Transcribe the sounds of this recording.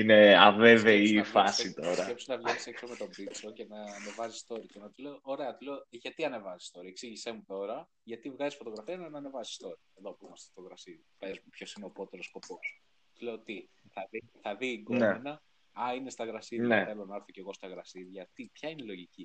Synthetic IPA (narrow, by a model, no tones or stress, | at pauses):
ineɐveve̞ifɐsit̪o̞ɾɐepsinɐvlɐiseksomet̪o̞bit͡so̞ce̞nɐːne̞vɐzist̪o̞ɾit̪enɐt̪ile̞ooɾe̞ɐt̪ile̞oʝɐt̪iɐne̞vɐzi̥st̪o̞ɾieksiʝisemut̪o̞ɾɐ | ʝɐt̪ivɣɐzisfo̞t̪o̞ɣɾɐfiɐnɐnːne̞vɐzi̥st̪o̞ɾɐeðopumɐst̪e̥ft̪oɣɾɐsiɾipezmupço̞sineopo̞t̪elo̞sko̞po̞s | t̪ule̞ot̪iθɐðiθɐðiːɡonmeenɐ | ɐine̞st̪ɐɣɾɐsiɾjneθe̞lo̞nɐeɾθo̞ce̞ɣo̞st̪ɐɣɾɐsiɾʝɐt̪ipçɐinelo̞ʝici